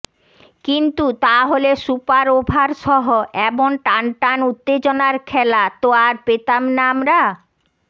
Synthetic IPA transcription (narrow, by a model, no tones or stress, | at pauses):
kint̪ut̪aɦolesupaɾobʱaɾʃɔɦoʔɛbonʈanʈanut̪ːed͡ʑonaɾkʰɛlat̪oaɾpet̪amnamɾa